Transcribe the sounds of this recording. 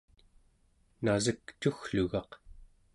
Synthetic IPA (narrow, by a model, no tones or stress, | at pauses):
nazəkt͡ʃuxɬuɣɑq